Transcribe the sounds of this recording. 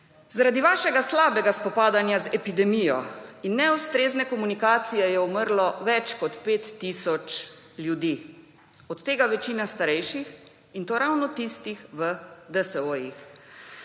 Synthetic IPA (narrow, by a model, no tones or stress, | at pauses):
zaɾad̪iʋaːʃɛɡaslaːbɛɡaspɔpaːd̪anjazɛpid̪ɛmijɔinːɛust̪ɾeːznɛkɔmunikaːt̪sijɛjɛuməɾlɔʋɛt͡ʃkɔt̪peːt̪ːiːsɔt͡ʃ | ljud̪iː | ɔt̪ːeːɡaʋɛt͡ʃiːnast̪aɾɛjʃix | int̪oːɾawnɔt̪ist̪ixʋəd̪əsɛojix